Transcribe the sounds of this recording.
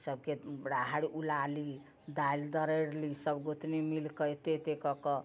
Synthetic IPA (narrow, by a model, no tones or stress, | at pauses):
səb̚keɽaɦaɽiʔulali | d̪ajld̪əɾəɽlisəbɡot̪nimilkəjt̪et̪ekɔkɔ